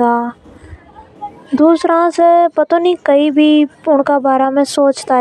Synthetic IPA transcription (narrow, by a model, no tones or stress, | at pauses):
aː | d̪uːsɾãsepɐt̪oːnikɐibʱiʊɳ̤̃kabaːɾamẽsoːt͡ʃt̪aɦ